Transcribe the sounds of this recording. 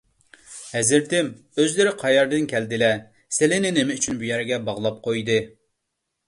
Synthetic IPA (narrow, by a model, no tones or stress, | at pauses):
hɛzɪɾt̪ɪm | øzlɪɾɪqʰɑjɑɾd̪ɨnkʲʰɛld̪ɪlɛ | sɪlɪnɪnɪmɪyt͡ʃʰynbujɛɾɡʲɛbɑʁlˠɑp̚qʰojd̪ɨ